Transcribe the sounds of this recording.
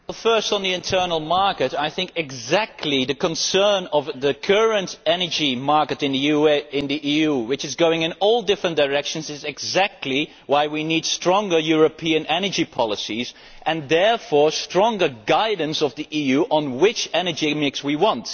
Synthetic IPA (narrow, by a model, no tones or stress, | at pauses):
wɛlˠfɜ˞stn̩ðiɨ̃ntʰɜ˞nl̩ˠmɑɹkɨɾaɪθɪ̃ŋkɪɡzæk̚tʰˡliðɨkə̃nsɜ˞nʌvðɨkʰɜɹɨ̃ntɛnə˞d͡ʒimɑɹkɨɾɨ̃nðɨjuɪ̃nðiʔijuwɨt͡ʃɨzɡoʊɪ̃ŋɨ̃nɔlˠdɪfɹə̃nd̥əɹɛkʃə̃nzɨzɨɡzæk̚tʰˡli | waɪwinid̥stɹ̥ɔ̃ŋɡə˞jʊɹəpʰiɨ̃nɛnə˞d͡ʒipʰɑlˠəsiz | ʔɨ̃nðɛɹfɔɹstɹ̥ɔ̃ŋɡə˞ɡaɪdⁿn̩sʌvðiʔijʉʔə̃nwɪt͡ʃɛnə˞d͡ʒimɪkswiwɑ̃nt